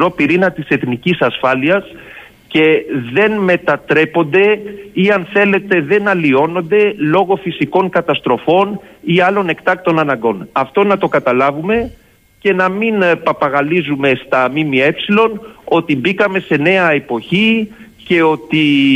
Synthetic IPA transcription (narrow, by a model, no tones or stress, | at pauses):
ɾo̞piɾinɐt̪ise̞θnicisɐsfɐliɐs | ce̞ðe̞nme̞t̪ɐt̪ɾe̞po̞nd̪e̞iɐnθe̞le̞t̪eðe̞nɐlio̞no̞nd̪e̞lo̞ɣo̞fisiko̞ŋkɐt̪ɐst̪ɾo̞fo̞niɐlo̞ne̞kt̪ɐk̚t̪o̞nɐnɐŋɡo̞nɐft̪onɐt̪o̞kɐt̪ɐlɐvume̞ | ce̞nɐminpɐpɐɣɐlizume̞st̪ɐmimie̞psilo̞no̞t̪ibikɐme̞se̞ne̞ɐe̞po̞çi | ce̞o̞t̪i